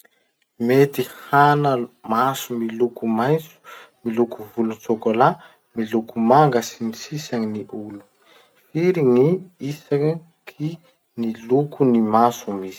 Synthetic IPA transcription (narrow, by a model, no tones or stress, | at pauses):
met̪ihanəmasumilukumajnt͡su̥ | milukuvulunsokola | milukumaŋɡəsinisisaŋiniʔulu̥ | fiɾiŋiisa | kʰi | nilukunimasumizi̥